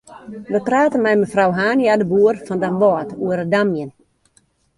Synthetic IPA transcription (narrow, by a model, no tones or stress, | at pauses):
ʋəpraːtənmɛjmɛfrawɦaːnjadəbuərfɔndamʋɔːtuəɾdamjən